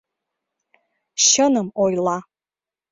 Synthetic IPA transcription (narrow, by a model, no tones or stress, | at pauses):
ʃənəmojlˠɑ